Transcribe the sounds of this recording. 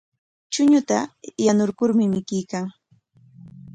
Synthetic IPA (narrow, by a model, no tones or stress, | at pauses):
t͡ʃʊɲʊt̪ajanʊɾkʊɾmɪmɪkɪjkaŋ